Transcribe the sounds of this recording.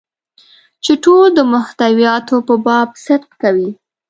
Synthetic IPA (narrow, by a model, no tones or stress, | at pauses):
t͡ʃeʈold̪əmʊht̪awijɑt̪opəbɑb̚sɪd̪qkawi